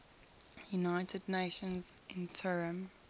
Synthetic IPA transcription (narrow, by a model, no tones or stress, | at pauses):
junaɪtʰədneɪʃə̃nzʔɪ̃ntʰɔɹə̃m